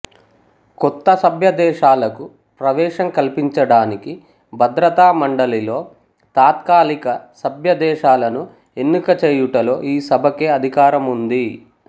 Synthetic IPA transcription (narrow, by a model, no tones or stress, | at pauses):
kɔt̪ːɐsɐbʱjɐd̪ɛːʂaːlɐku | pɾɐʋɛːʂɐŋkɐlpiɲt͡ʃɐɽaːniki | bʱɐd̪ɾɐt̪aːmɐɳɖɐlilo̞ː | t̪aːt̪kaːlikɐsɐbʱjɐd̪ɛːʃaːlɐnu | enːukɐt͡ʃeːjuʈɐlo̞ːʔiːsɐbʱɐkeːɐd̪ʱikaːɾɐmund̪i